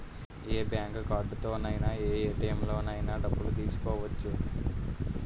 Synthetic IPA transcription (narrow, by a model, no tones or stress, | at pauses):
eːbjaːŋkkaːɾɖt̪oːnɐjnaːeːʈeːmlo̞ːnɐjnaːɖɐbːuɽut̪iːsu̥kɔːʋɐt͡ʃːu